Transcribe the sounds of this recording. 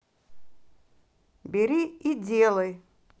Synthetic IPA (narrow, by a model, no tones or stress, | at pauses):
bʲɪɾʲiidʲelˠəj